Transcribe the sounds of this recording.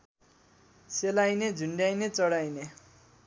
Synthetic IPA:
selajned͡zʱuɳɖajnet͡sʌɽajne

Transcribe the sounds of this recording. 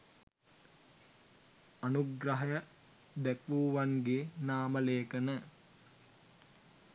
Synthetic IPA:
anuɡɾəɦɐjə | d̪ɛkʋuːʋaŋɡeːnaːməleːkənə

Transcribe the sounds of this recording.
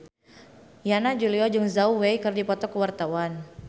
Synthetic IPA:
janad͡ʒuliɔd͡ʒɨŋzauwejkɨrdipɔt̪ɔkəwart̪awan

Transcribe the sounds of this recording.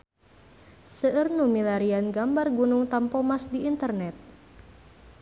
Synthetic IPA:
səʔərnumilaɾianɡambarɡunuŋt̪ampɔmasdiːnt̪ərnɛt̪̚

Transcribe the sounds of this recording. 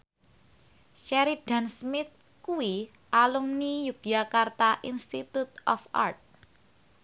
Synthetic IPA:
ʃɛɾid̥a̤nsmɪt̪̚ | kuwi | ʔaluŋnijuɡ̥jakart̪aʔinst̪it̪ut̪̚ɔfa̰rt̪̚

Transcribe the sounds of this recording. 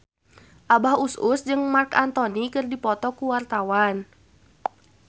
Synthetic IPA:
ʔabahusʔusd͡ʒɨŋmarka̰nt̪ɔnikɨrdipɔt̪ɔkuwart̪awan

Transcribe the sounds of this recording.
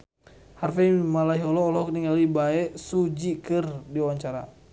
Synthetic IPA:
harfɛmalaɦiɔlɔːlɔkniŋalibaɛsud͡ʒikɨrdiwaɲt͡ʃaɾa̰

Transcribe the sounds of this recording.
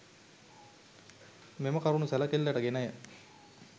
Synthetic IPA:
meməkaɾunusɛlɐkelːæʈəɡenajə

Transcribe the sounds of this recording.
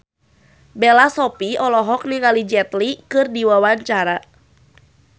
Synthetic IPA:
bɛlasɔpiɔlɔɦɔk̚niŋalid͡ʒɛt̪likɨrdiwawaɲt͡ʃaɾa

